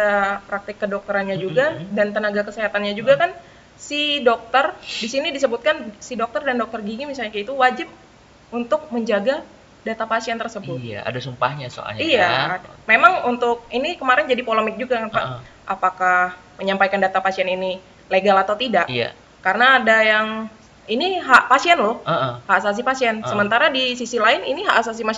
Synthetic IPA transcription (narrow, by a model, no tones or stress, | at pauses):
apɾak̚t̪ɪkːədɔk̚t̪əɾanɲad͡ʒuɡadant̪ənaɡakəseɦat̪anɲad͡ʒuɡakan | sidɔk̚t̪ərdisinidis̬əbut̪̚kansidɔk̚t̪ərdandɔk̚t̪ərɡiŋimisalɲakit̪uwad͡ʒɪp̚ | unt̪ʊk̚məɲd͡ʒaɡa | dat̪apasiɛnt̪ərsəbʊt̪a̰a̰dasumpa̰hɲaso̰a̰lɲijadmemaŋunt̪ʊk̚inikəmaɾɪnd͡ʒadipoləmɪk̚d͡ʒuɡakanpaʔ | ʔapakah | məɲampajkandat̪apasiɛnini | leɡalat̪awt̪idaʔa̰ | kaɾənaːdajaŋ | iniɦaʔpasiɛnlɔhhaasas̬ipasiɛnsəmənt̪aɾadisisilaɪniniɦaʔasasima